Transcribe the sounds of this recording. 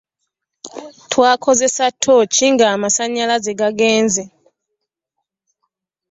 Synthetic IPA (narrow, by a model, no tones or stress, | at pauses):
tʰwaːkʰo̞ze̞satʰo̞ciŋɡaːmasaɲalazeɡaɡe̞ːnze